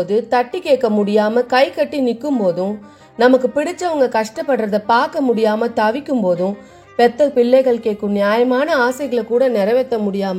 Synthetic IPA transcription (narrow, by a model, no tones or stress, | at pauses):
ðɯt̪ɐʈːikeːʈ̚kːɐmʊɽɪjaːmɐkɐɪkɐʈːinɪkːɯmpoːðʊ̃ | nɐmɐkːɯpɪɽɪt͡ʃːɐʋɐŋɡɐkɐʂʈɐpːɐɽɾɐðɐpaːɾkɐmʊɽɪjaːmɐt̪ɐʋɪkʲːɯmpoːðʊ̃ | pɛt̪ːɐpɪɭːɐɪɣɐɭkeːʈkːɯnnjaːjɐmaːnɐaːsɐɪɣɐɭkuːɽɐnɛɾɐʋɛt̪ːɐmʊɽɪjaːmɐ